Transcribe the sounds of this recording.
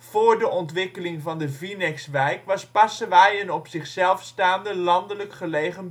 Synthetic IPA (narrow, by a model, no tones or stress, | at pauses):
v̥oːɹdəʔɔntʋɪkəlɪŋvɑndəvinɛksʋɛjkʋɑspɑsəʋajənɔpsɪχsɛlˠfstaːndəlɑndələkχəlejχən